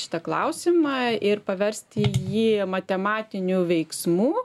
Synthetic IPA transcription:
ʃʲɪ̥t̪ɐklˠɐʊsʲɪmɑɪrpɐʋʲɛɾʲsʲt̪ʲɪjiːmɐt̪ʲɛmɑːt̪ʲɪnʲuːʋʲɛɪksmuː

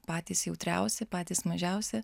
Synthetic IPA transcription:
pɑːt̪ʲiːsjɛʊt̪ʲɾʲæ̰ʊsʲɛpɑːt̪ʲiːsmɐʒʲæʊsʲɛ

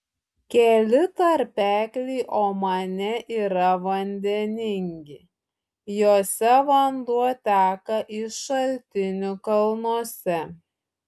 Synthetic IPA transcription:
kʲɛlʲɪt̪ɐɾʲpʲæːkʲlʲɛɪʔoːmɐnʲɛʔiːɾɐʋɐnʲd̪ʲɛnʲɪŋʲɡʲɪ | joːsʲɛʋɐnd̪uɔt̪ʲæːkɐʔɪʃɐlʲt̪ʲɪnʲʊkɐlˠnuɔsʲɛ

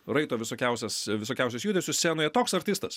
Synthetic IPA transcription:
ɾɐɪt̪oːʋʲɪsoːkʲɛʊsʲɛsʋʲɪsoːkʲɛʊsʲɛsjuːd̪ʲɛsʲʊsʲsʲeːnoːjɛt̪oːksɐɾʲt̪ʲiːst̪ɐs

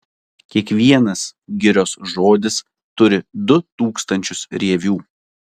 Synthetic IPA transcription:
kʲiɛkʋʲiɛnɐsɡʲɪɾʲoːsʒoːd̪ʲɪs | t̪ʊɾʲɪd̪ʊt̪uːkst̪ɐnʲt͡ʃʲʊsɾʲiɛʋʲuː

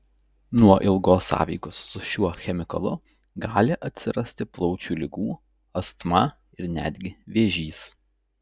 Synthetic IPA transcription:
nuɔʔɪlˠɡoːsːɑ̰ːʋʲḭːɡʊsːʊʃʲuɔxʲɛmʲɪkɐlˠʊ | ɡɑːlʲɪʔɐt̪ʲsʲɪɾɐsʲt̪ʲɪplˠɔʊt͡ʃʲuːlʲɪɡuː | ɐst̪mɑ | ɪɾnʲæ̰ːd̪ʲɡʲɪʋʲeːʒʲiːs

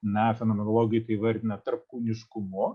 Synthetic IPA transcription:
nɛfʲɛnomʲɛnolˠoːɡʲɪjkɐiʋɐɾʲd̪ʲɪnɐt̪ɐɾp̚kuːnʲɪʃkʊmʊ

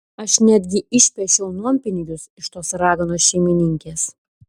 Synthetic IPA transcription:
ɐʃnʲæːd̪ʲɡʲɪɪʃʲpʲɛʃʲɛʊnuɔmʲpʲɪnʲɪɡʲʊsɪʃt̪oːsɾɑːɡɐnoːsʃʲɛɪmʲɪnʲɪŋʲkʲeːs

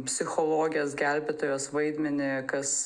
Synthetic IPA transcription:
pʲsʲɪxolˠoːɡʲɪjoːsɡʲælʲbʲɛt̪oːjoːsʋɐɪd̪ʲmʲɛnʲɪkɐs

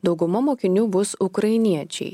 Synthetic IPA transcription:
d̪ɒʊɡʊmɐmoːkʲɪnʲuːbʊsʊkɾɐɪnʲiɛt͡ʃʲɛ̰ɪ

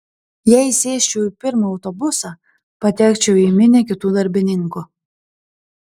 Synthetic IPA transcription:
jɛjsʲeːʃʲt͡ʃuwpʲɪɾmɐɐʊt̪ɔbʊsɐ | pɐt̪ʲækt͡ʃʲɛimʲɪnʲɛkʲɪt̪uːd̪ɐɾʲbʲɪnʲɪŋkʊ

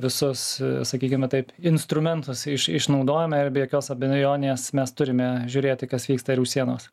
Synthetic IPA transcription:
ʋʲɪsʊssɐkʲiːkʲɪmʲɐt̪ɐɪpɪnst̪ɾʊmʲɛnt̪ʊsɪʃɪ̰ʃnɒʊd̪oːjɛmɐɪɾbʲɛjoːkʲoːsɐbʲɪnjoːnʲɪeːsmʲɛst̪ʊɾʲɪmʲɛʒʲuːɾʲeːt̪ʲɪkɐsʋʲiːkst̪ɐɪɾuːʃʲsʲiɛnoːs

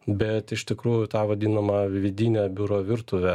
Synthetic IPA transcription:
bʲɛt̪ɪʃt̪ʲɪkɾuːjʊt̪ɑːʋɐd̪ʲiːnɐmɐʋʲɪd̪ʲiːnʲɛːbʲʊɾoːʋʲɪɾt̪ʊʋʲɛ

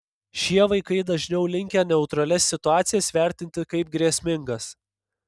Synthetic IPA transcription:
ʃʲiɛʋɐɪkɐɪd̪ɐʒʲnʲɛʊlʲɪŋʲkʲɛnʲɛʊt̪ɾɐlʲɛsːʲɪt̪ʊɑːt̪sʲɪjɛsʋʲæˑɾʲt̪ʲɪnʲt̪ʲɪkɐɪp̚ɡɾʲiɛsʲmʲɪŋɡɐs

